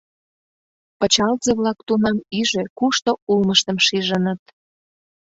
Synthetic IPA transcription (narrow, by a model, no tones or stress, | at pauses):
pə̆t͡ɕɑlzeβlɑkt̪unɑmiʒøkuʃt̪oulməʃt̪əmʃiʒənə̆t̪̚